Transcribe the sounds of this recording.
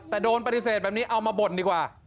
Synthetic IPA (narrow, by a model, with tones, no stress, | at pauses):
t̪ɛː˨˩doː˧npa˧t̪i˨˧˩seː˨˩t̪̚bɛː˨˩p̚niː˦˥ʔa˧wmaː˧bo˨˩ndiː˨˩kwaː˨˩